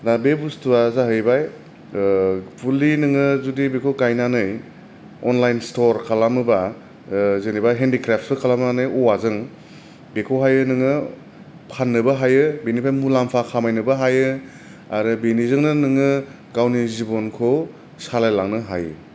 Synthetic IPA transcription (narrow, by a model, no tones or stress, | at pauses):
dabebustuwazaɦɯjbaj | pʰulinɯŋɯzudibekʰokajnanɯj | ɔnlajnstɔɾkʰalamɯba | zenibajɦendikɾap̚ʰt̚bɯkʰalamnanɯjɔwazɯŋ | bekʰowɦajɯnɯŋɯ | pʰanːɯbaɦajɯbenipʰajmulampʰakʰamajnɯbaɦajɯ | aɾɯbenizɯŋnɯnɯŋɯ | ɡawnizibɔnkʰo | salajlaŋnɯɦajɯ